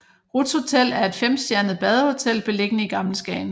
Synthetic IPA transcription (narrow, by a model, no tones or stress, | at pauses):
ʁud̥sho̝t͡sʰel̰æɐe̝d̥fem̰sd̥jæɐnð̩ˠb̥ɛð̞ˠɐho̝t͡sʰel̰b̥e̝le̝ɡ̥ənəiɡ̥ɑ̈ml̩sɡ̥ɛɪn